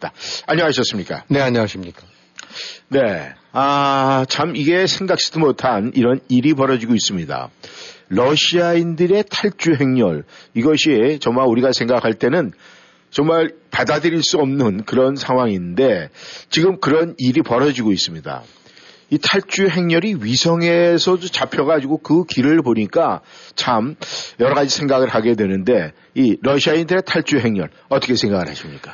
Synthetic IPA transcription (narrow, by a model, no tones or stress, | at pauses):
daaɲʌŋaɕʰʌs͈ɯmɲik͈a̰neaɲʌaɕʰimɲik͈a | ne̞ | at͡ɕamiɡe̞sʰe̞ŋɡak̚s͈ɯdɯmotʰaniɾʌniɾip̬ʌɾʌd͡ʑiɡois͈ɯmɲida̰ɾʌɕʰiaindɯɾe̞tʰaɭt͡ɕ͈uɦe̞ŋɲʌ̰ɭiɡʌɕʰit͡ɕʌŋmauɾiɡasʰe̞ŋɡakʰaɭt͈e̞nɯn | t͡ɕʌŋmaɭpadadɯɾiɭs͈uʌmnɯnkɯɾʌnsʰaŋwaŋinde̞t͡ɕiɡɯmkɯɾʌniɾipʌɾʌd͡ʑiɡois͈ɯmɲida̰ | itʰaɭt͡ɕ͈uɦe̞ŋɲʌɾiɥisʰʌŋe̞sʰʌd͡ʑot͡ɕapʰjʌɣad͡ʑiɡokɯkiɾɯɭpoɲik͈at͡ɕʰamjʌɾʌɣad͡ʑisʰeŋɡaɡɯɭhaɡe̞dwe̞nɯnde̞ | iɾʌɕʰiaindɯɾe̞tʰaɭt͡ɕ͈uɦe̞ŋɲʌɭ | ʌt͈ʌkʰe̞sʰe̞ŋɡaɡɯɭhaɕʰimɲik͈ḁ